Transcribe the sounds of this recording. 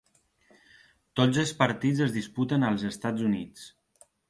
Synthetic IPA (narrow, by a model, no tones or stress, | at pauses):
t̪od͡zəlˠspəɾt̪id͡zəzðisput̪ənəlˠzəst̪ad͡zunit͡s